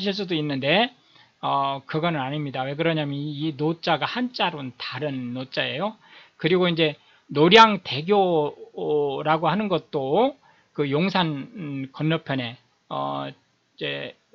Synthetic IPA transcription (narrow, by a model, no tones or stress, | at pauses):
ɕʰiɭs̬͈udoinːɯnde̞ | ʌkɯɡʌnɯnaɲimɲidawe̞k̬ɯɾʌɲamjʌninot͡ɕ͈aɡahant͡ɕ͈aɾontaɾɯnːot͡ɕ͈ae̞jokɯɾiɡoind͡ʑe̞ | noɾjaŋte̞ɡjo | ɾaɡohanɯnɡʌt̚t͈o | kɯjoŋsʰankʌnːʌpʰjʌne̞ | ʌ̰ | d͡ʑe̞